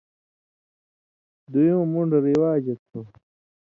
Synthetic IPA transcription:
d̪ujõːmuɳɖɾiwaːd͡ʑɐt̪ʰu

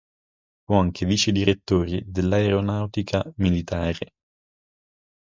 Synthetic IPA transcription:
fuaŋkʰeviːt͡ʃed̪iɾet̪ːoːɾid̪elːaeɾonawt̪ikʰamilit̪aːɾe

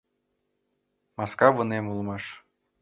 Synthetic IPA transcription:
mɑskɑvɤ̆nemulˠmɑʃ

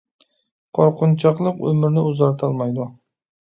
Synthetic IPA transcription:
qʰɒɾqʊnt͡ʃʰɑqlˠɨqɵ̰mɪɾnɪʊzɑɾt̪ʰɒlˠmɑjd̪ʊ

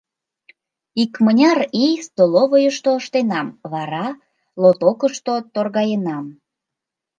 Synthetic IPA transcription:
ikmənʲɑrijst̪oloβojəʃt̪oəʃt̪enɑmβɑɾɑ | lot̪okəʃt̪ot̪orɣɑjenɑm

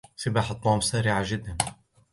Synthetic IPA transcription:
sɪbaːħɑt̪ˤːɑːmsaːɾɪʕaʒɪd̪ːan

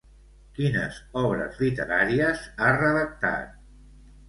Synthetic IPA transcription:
kinə̰zɔβɾə̰zlit̪əɾaɾiəzarəðək̚t̪a̰t̪̚

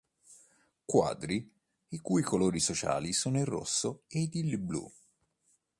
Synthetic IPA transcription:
kwa̰ːd̪ɾi | ikujkoloːɾisot͡ʃa̰ːlisoːnoirːo̰sːoed̪ilblṵ

